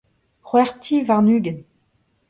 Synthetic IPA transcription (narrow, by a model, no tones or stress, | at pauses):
χwɛʁt̪ʰivaʁnyːɡən